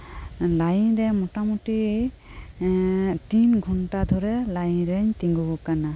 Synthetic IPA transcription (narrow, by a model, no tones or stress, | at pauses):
lajɾɛmɔtamɔti | tinɡʱɔnʈad̪ʱɔɾɛlajɾɛɲt̪iŋɡɔɡɔkana